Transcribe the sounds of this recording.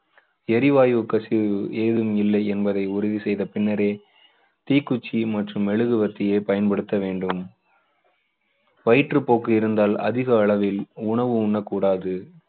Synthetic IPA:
ɛɾɪʋaːjʊkːɐsɪeːðɯmɪlːɐɪɛnbɐðɐɪʊɾʊðisɛjðɐpɪnːɐɾeː | t̪iːkːʊt͡ʃːimɐʈrɯmɛɭɯɣɯʋɐt̪ːɪjeːpɐjɐnpɐɽɯt̪ːɐʋeːɳɖɯm | ʋɐɪʈrɯpoːkːɯɪɾɯnd̪aːlɐ̰ðɪɣɐːɭɐʋɪlʊɳɐʋɯʊɳːɐkːuːɽaːðɯ

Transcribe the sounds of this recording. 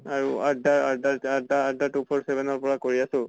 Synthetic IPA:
aɹuadaɹadaadaadaʈupʰɔɹsebɛnɔɹpɔɹakoɹiasʊ̃

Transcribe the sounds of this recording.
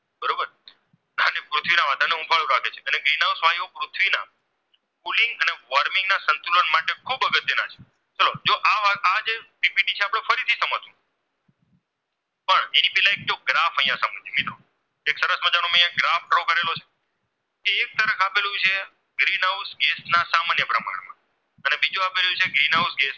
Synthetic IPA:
bəɾobəɾ | ənepɾut̪ʰʋinaʋad̪aneũbʱaɭũɾakʰet͡ʃʰeəneɡɾinawsʋajopɾʊt̪ʰʋina̰ | pulɪŋɡəneʋəɾmɪ̃ŋɡnasənt̪ulənmaʈekʰubəɡət̪ːjenat͡ʃʰe̥ | t͡ʃəlod͡ʒoʔaad͡ʒepipiʈit͡ʃʰeapɽ̃efəɾit̪ʰisəmət̪ũ | pəɳenipɛɦlãek̚d͡ʒoɡɾafəj̃ãsəmə̃d͡ʒimit̪ɾo | eksəɾəsməd͡ʒanoməijãɡɾafʈɾokəɾelot͡ʃʰe̥ | keːk̚t̪əɾəkʰapelũt͡ʃʰe | ɡɾinausɡesnasamanjəpɾəma̰ɳ̃mã̰ | ənebid͡ʒuapeljũt͡ʃʰeɡɾinausɡes

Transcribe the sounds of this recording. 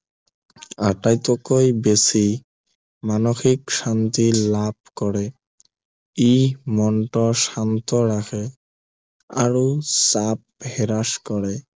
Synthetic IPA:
aʈajt̪okojbesi | manoxikʃant̪ilab̚kɔɾe | imɔɳʈɔʃant̪ɔɾakʰe | a̰ɾosap̚heɾaʃkɔɾe

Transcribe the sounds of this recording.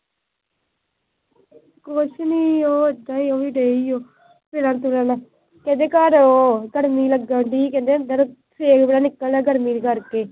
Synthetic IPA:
koʃniːoːəd̪ãːiːoːʋiːɖeːiːoː | peːɽaːnt̪ʊɾaːnaː | kɛ̃nd̪eːkəɾoɡəɽmiːləɡaːɳɖiːkɛ̃ːnd̪eːənd̪əɾ | seːkbeaːnɪkːəlnaːɡəɽmiːnkəɾkeː

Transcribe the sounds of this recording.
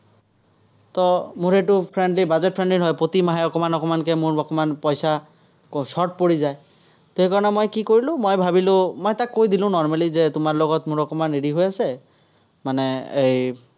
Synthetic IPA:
t̪ɔmuɹeʈupʰɹɛɳɖlibazɛt̚pʰɹɛɳɖlinɦɔjpot̪imaɦaɔkɔmanɔkɔmankɛmʊɹɔkɔmanpɔjsa | sɔɹʈ̚poɹizaj | t̪oɦekaɹɔnɛmojkikoɹilʊ̃mojbʱabilʊ̃mojtakːojd̪ilʊ̃nɔɹmalizetʊmaɹlɔɡɔtmʊɹɔkɔmaneɖiɦojasɛ | manɛej

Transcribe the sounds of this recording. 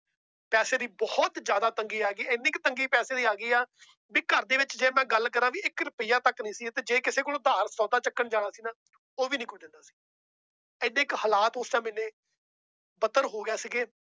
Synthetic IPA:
pɛːseːd̪iːbɔːt̪d͡ʒjaːd̪aːt̪əŋɡiːaːɡiːɪnːiːkt̪əŋɡiːpɛːseːd̪iːaːɡiːaː | biːkəɾd̪eːʋɪt͡ʃd͡ʒeːmɛ̃ːɡəlkəɾãːʋiːɪkɾʊpɪjãːt̪əknĩːsiːt̪eːd͡ʒeːkɪseːkoːloːd̪aːɾsɔ̃ːd̪aːt͡ʃəkːəɳd͡ʒaːɽ̃aːsiːnaː | oːʋiːnĩːkoiːd̪ɪ̃nd̪aːsi̥ː | ɪneːɪkhəlaːt̪ʊst͡ʃãːmɛ̃ːneː | bət̪əɾɦoːɡjaːsiːɡeː

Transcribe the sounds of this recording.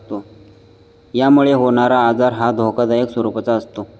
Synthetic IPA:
t̪o | jamuɭeɦoɳ̃aɾaːd͡zaɾɦad̪ʱokəd̪əeksəɾupət͡saəst̪o

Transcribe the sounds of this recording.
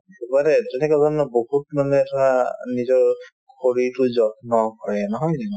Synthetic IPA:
tubalɛtɛnɛkɔzɔnɔbohut̚malɛɛtɔanizɔɹ | kʰoɹitʊzɔtnɔkɔɹɛnɔɦɔjdɛnɔ

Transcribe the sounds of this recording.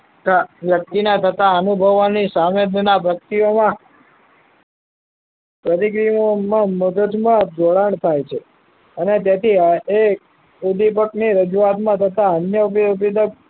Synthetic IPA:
ʋjək̚t̪inat̪ʰət̪aənubʱəʋanisamed̪nabəkt̪ijomã | pɾət̪ikɾijmomãmud̪əd͡ʒ̪mãd̪ʱoɽəɳt̪ʰajt͡ʃʰe | ənet̪̬jat̪ʰie | ud̪ipəkniɾəd͡ʒuat̪mãt̪ʰət̪aənjəppid̪ə

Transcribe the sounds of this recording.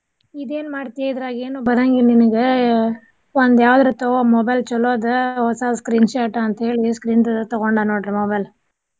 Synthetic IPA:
id̪eːnmaːɖt̪ijeid̪ɐɾaːɡeːnuːbɐɾɐŋɡininɐɡe | ond̪jaːʋd̪ɐɾut̪ɔomɔːbɐjlt͡ʃɔloːd̪ɦɔsaːskɾiːnʃaːʈɐnt̪ɐɦeːɭiskɾiːnt̪ɔɡoɳɖanoːɽɾɐmɔːbɐjl

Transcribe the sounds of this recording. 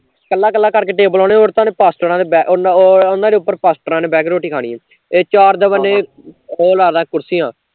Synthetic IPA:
kəlːaːkəlːaːkəɾkeːʈeːbəlɔːneːoːɾt̪ãːneːpaːsʈəɾãːd̪eːbɛːʔnːʊnãːd̪eːʊpːəɾpaːsʈəɾãːneːbɛːɡɾoːʈiːkʰaːɳḭː | eːt͡ʃaːɾd̪əʋəneː | oːlaːɾd̪ãːkʊɾsiːãː

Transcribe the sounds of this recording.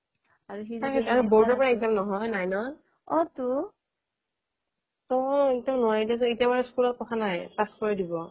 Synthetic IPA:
aɹuɦiakɛaɹubɔɹdɔpɔɹaizalnɔɦɔjnajnɔ | ɔtu | tɔetɔ̃nʊwaɹidias̬ɔ̃etiaβaɹɛskulɔt̚pɔkʰanajpaskɔɹidibɔ

